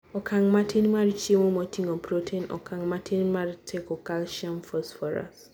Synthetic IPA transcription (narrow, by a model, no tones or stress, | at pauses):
ɔkʰaŋmatʰenimaɾit͡ʃiemõmɔtʰiŋɔpɾotʰenɔ̰kʰaŋmatʰenmaɾitʰekɔkalʃamfɔsfɔɾa̰s